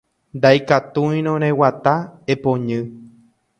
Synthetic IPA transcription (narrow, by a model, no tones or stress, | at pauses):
nd̪ajkat̪ũĩɾ̃õɾ̃ẽwat̪aepõɲɨ̃